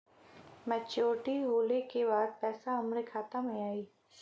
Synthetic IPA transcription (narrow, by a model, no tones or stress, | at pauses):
mɛ̃t͡ʃoːʈiɦoːlekebaːd̪̚pɛːsaɦɐmɾekʰaːt̪amẽaːiː